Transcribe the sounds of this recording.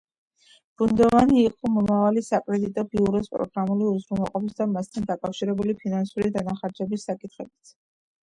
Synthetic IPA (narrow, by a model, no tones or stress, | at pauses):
b̥und̪ɔvaniːqʼɔmɔmavalisakʼɾɛd̪it̪ʼɔbiuɾɔspʼɾɔ̰ɡɾamuliuzɾunɛlˠqʼɔpisd̪amast̪ʰand̪akʼafʃiɾɛbulipʰinansuɾid̪anaχaɾd͡ʒɛbisːakʼit̪ʰχɛbit̪sʰ